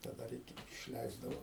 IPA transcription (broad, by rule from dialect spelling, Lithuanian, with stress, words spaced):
tɐ ˈdɐr ˈɪkʲɪ ɪʃʲˈlʲɛɪzdɐʋoː